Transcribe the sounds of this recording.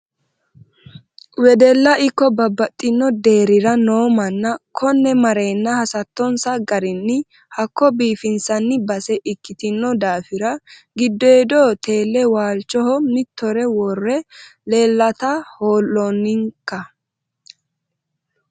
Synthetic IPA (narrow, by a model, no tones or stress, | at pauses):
wɛd̪ɛlːɐʔɪkːɔbɐbːɐt̪ʼːɪnːɔd̪e̞ːɾɪɾɐnoːmɐnːɐkʰɔnːɛmɐɾe̞ːnːɐhɐsɐt̪ːɔnsɐɡɐɾɪnːɪ | hɐkːɔbiːfɪnsɐnːɪbɐsɛʔɪkːɪt̪ɪnːɔd̪aːfɪɾɐ | ɡɪd̪ːɔjɛd̪ɔːt̪ʰe̞ːlːɛwaːlt͡ʃːɔhɔmɪt̪ːɔɾɛwɔrːɛleːlːɐt̪ɐhoːlːɔnːɪŋkːɐ